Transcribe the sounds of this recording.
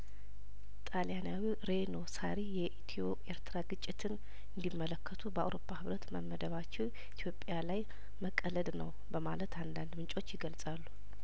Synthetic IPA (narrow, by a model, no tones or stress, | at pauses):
t̪ʼaljanawiɾe̞no̞saɾijɛʔit̪ʰio̞ʔe̞ɾt̪ʰɾaɡɨt͡ʃʼːɪt̪ʰɨn | ɨnd̪imːələkːət̪ʰubəa̰wɾo̞pːahɨβɾət̪məmːəd̪əβat͡ʃːɛw | it̪ʰjopʼːjalaj | məkʼːələd̪nə̰w | bəma̰lət̪ʰand̪and̪mɨnt͡ʃʼo̞t͡ʃːjɪɡəlsʼalːu